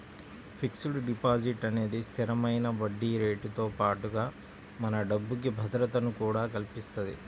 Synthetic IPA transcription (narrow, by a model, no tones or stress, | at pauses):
pʰiksuɽuɖipaːd͡ʒiʈɐne̞ːd̪ist̪ʰiɾɐmɐjnɐʋɐɖːiːɾe̞ːʈut̪o̞ːpaːʈuɡaː | mɐnɐɖɐbːuk̬ibʱɐd̪ɾɐt̪ɐnukuːɽaːkɐlpist̪ɐd̪ḭ